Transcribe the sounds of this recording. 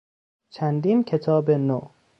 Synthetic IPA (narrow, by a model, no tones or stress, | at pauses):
t͡ʃʰænd̪iːnkʰe̞t̪ʰɒːbeno